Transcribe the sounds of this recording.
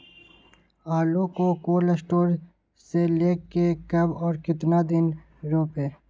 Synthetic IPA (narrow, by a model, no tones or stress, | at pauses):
aːlõkokoːlɐsʈoːɾ | seleːkːekɐbɔːɾkɪt̪nad̪ɪn | ɾoːpeː